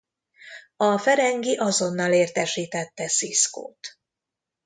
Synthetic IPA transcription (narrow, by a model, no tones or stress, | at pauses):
ɒfɛɾɛŋɡiʔɒzo̞nːɒleːrt̪ɛʃiːt̪ɛt̪ːɛsisko̰ːt̪